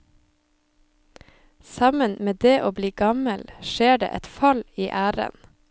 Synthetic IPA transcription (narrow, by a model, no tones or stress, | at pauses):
sɑmənmeːd̪eːʔoːbliːɡɑməlʃeːɖḛːʔɛt̪fɑliːʔæːɾə̰n